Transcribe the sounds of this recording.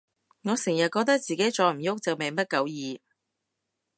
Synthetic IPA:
ŋɔː˨˧sɪ˨˩ŋjɐ˨t̚kɔː˧k̚t̪ɐ˥k̚t͡siː˨ke˨˥jt͡ʃɔː˨˧m̩˨˩jʊ˥k̚t͡sɐ˨wme˨jmɐ˥t̚kɐ˨˥wjiː˨˧

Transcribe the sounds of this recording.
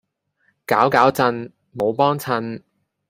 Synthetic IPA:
kaː˨˥wkaː˨˥wt͡sɐ˧n | mo˨˧wpɔː˥ŋt͡sʰɐ˧n

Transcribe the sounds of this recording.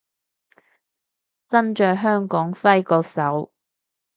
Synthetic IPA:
sɐ˥nt͡ʃœː˨ɦœː˥ŋkɔː˨˥ŋfɐ˥jkɔː˧sɐ˨˥w

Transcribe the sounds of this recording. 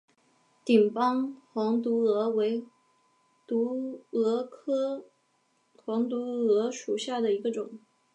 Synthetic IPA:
t̪i˨˩ŋpɑ˥ŋxwɑ˧˥ŋt̪̬u˧˥ɤ˧˥we˧˥ɪ | t̪u˧˥ɤ˧˥kʰɤ˥ | xwɑ˧˥ŋt̪u˧˥ɤ˧˥ʂu˨˩ɕja˥˩d̪ə˩i˧˥ɡə˧ʈ͡ʂʊ˨˩˦ŋ

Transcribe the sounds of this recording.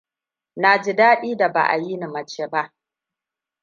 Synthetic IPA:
naː˨d͡ʒɪ˦daː˦ɗiː˦da˨ba̰˨ʔa̰˨ji˦ni˨mɐ˨t͡ʃeː˦ba˦ʔ

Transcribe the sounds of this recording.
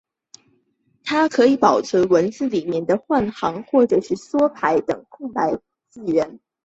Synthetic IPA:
t̪ʰa˥kʰɤ˧˥i˨˧˥pɑ˨˩ʊt͡sʰwə˧˥wə˧˥nt͡sɹ̩˥˧li˨˩mjɛ˥˩nd̪ə˨xwa˥˩nxɑ˧˥ŋxwɔ˥˩ʈ͡ʂɤ˨˩ʂɻ̩˥˩swɔ˥pʰa˧˥ɪt̪ɤ˨˩ŋkʰʊ˥˩ŋpa˧˥ɪ | t͡s̩˥˩ɥɛ˧˥n

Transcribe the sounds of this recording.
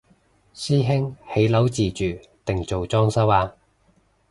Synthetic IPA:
siː˥ɦɪ˥ŋhe˨˥jlɐ˨˥wt͡siː˨˩t͡ʃyː˨ | t̪ɪ˨ŋt͡so˨wt͡sɔː˥ŋsɐ˥waː˧

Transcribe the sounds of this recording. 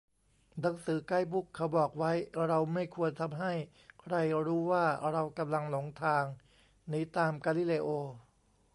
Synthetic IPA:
na˩˦ŋsɯː˩˦ka˥˩jbu˦˥˩kʰːa˩˦˥wbɔː˨˩k̚wa˦˥jɾa˧wma˥˩jkʰu˧ənt̪ʰa˧mɦa˥˩j | kʰɾa˧jɾuː˦˥waː˥˩ɾa˧wka˧mla˧ŋlo˩˦ŋt̪ʰaː˧ŋ | niː˦˥t̪aː˧mkaː˧li˦˥˩leː˧ʔoː˧

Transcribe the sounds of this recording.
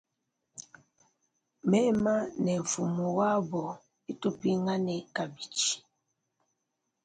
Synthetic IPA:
mɛ˦ma˦nɛ˨ɱ̩˨fu˨mo˨wa˦bɔ˨ | i˦to˦pi˦ŋa˦nɛ˨ka˨bi˨t͡ʃi̥˨

